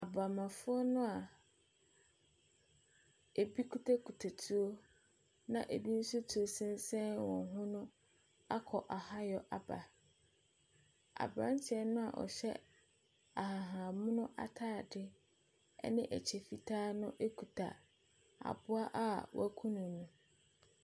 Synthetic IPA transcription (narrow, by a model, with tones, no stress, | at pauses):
a˨ba˨mã˨fʊ˦ɔ˦nʊ̃˦a˨ | e˨bi˦kʰu˦tʰa˦kʰu˨tʰa˨tʰu˦o˦ | nã̰˨ʔe˨bi˦n̩˦su˦tʰu˨o˦sɪ̃˦n˦sɛ̃˦wɔ̃˨˦ɦʊ̃˦nʊ̃˦ | a˦kʰɔ˨ʔa˨ha˦jɔ˨ʔa˨ba̰˨ | a̰˨bɾã̰˦n̩˦t͡ɕʰɛ˦nʊ̃˦a̰˨ʔɔ̰˨ɕɛ˦ | a˨ɦa˨ɦã˨mʊ̃˦nʊ̃˦ʔa̰˦tʰaː˦˨dɪ˦ | ɛ̰˦nɪ̃˦ʔæ̰˨t͡ɕʰe˨fi˨tʰaː˦nʊ̃˦ʔe˦kʰu˨tʰa̰˨ | a̰˨bʊ˦a˦ʔa˦˨wɔ̰˦æ˦kʰũ˦nũ˨nũ˨